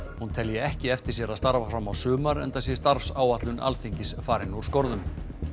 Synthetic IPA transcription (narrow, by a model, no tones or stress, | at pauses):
hunt̪ʰɛljɛɛhcɪɛft̪ɪɾ̥sjɛɾaðst̪aɾvafɾamawsʏːmaɾɛ̰nt̪asjɛst̪aɾfsaːwat̪lʏnʔa̰lθiɲcɪsfaːɾɪnuɾ̥skɔɾðʏm